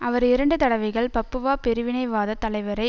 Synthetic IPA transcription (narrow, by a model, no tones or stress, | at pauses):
ɐʋɐɾɪɾɐɳɖɯt̪ɐɽɐʋɐɪɣɐɭpɐpːɯʋaːpɛɾɯʋɪnɐɪʋaːðɐt̪ːɐlɐɪʋɐɾɐɪ